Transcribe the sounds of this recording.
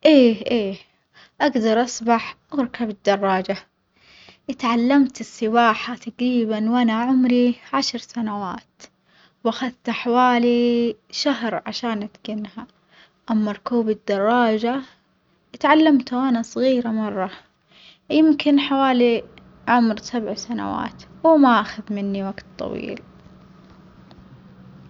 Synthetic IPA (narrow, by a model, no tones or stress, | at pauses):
ʔeːʔeː | ʔaɡd̪ɑɾˤʔɑsˤbaħʔaɾˤkabɪd̪ːɑrˤːɑːd͡ʒa | ʔɪt̪ʕalːamt̪ɪsˤːɪbaːħat̪aɡɾiːbanwanaʕʊmɾiʕaʃɾsanawa̰ːt̪ | wʔaxaðt̪ħawaːliʃaɦɾʕaʃaːnʔat̪ɡɪnha | ʔamːɑɾˤkuːbɪd̪ːɑrˤːɑːd͡ʒa | ʔɪt̪ʕalːamt̪wanasˤɣiːɾamɑrˤːɑ | jɪmkɪnħawaːli | ʕʊmɾsabʕsana̰wa̰ːt̪wɪmaʔaxaðmɪnːiwaɡt̪t̪ˤːɑ̰wḭːl